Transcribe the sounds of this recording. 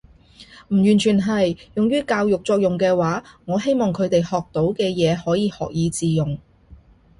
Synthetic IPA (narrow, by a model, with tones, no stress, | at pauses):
m̩˨˩jyː˨˩nt͡ʃʰyː˨˩nɦɐ˨jjʊ˨ŋjyː˥kaː˧wjʊ˨k̚t͡ʃɔː˧k̚jʊ˨ŋkɛː˧waː˨˥ŋɔː˨˧ɦe˥jmɔː˨ŋkʰɵ˨˧ɥt̪e˨jhɔː˨k̚t̪o˨˥wkɛː˧jɛː˨˧hɔː˨˥jiː˧hɔː˨k̚jiː˨˧t͡siː˨jʊ˨ŋ